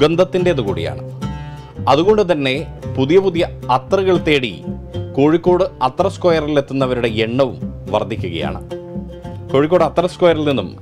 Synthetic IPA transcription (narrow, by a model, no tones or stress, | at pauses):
ɡɐnd̪ʱɐt̪ːinde̞ɐðukuːɽija̰ːɳɨ | ɐðuɣo̞ɳɖɨt̪ɐnːe̞puðijɐpuðijɐɐt̪rɨɣɐɭt̪eːɽḭkoːɻikʲːo̞ːɽɨɐt̪rɐskoːjɐrile̞t̪ːunːɐʋɐɾuɽe̞eɳːɐʋumʋɐ̰rd̪ʱːikʲːuɣɐja̰ːɳɨ̰ | koːɻik̬ʲːo̞ːɽɨɐt̪ːrɐskoːjɐɾɐlninːum